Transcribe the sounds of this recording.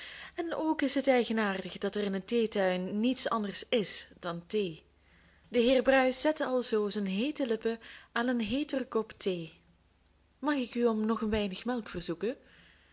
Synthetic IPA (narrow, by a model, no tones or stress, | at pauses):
ɛnoːkɪsɦətɛjɣənaːrdəɣdɑtɛrɪnənteːtœɥnːitsɑ̰ndərsɪsd̥ɑnteː | dəɦɪːrbrœɥsɛtɑlˠzoːzənɦeːtəlɪpəaːnənɦeːtərkɔptʰeː | mɑxɪkyɔmnɔχənʋɛjnəxmɛlˠkfərzukə